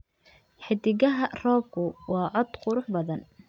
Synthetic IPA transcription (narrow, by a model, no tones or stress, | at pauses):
ħɪd̪ɪɣɐɦɐrɔːb̚kʰʊwɑːʕɔd̪qʊɾʊħbɐðɐn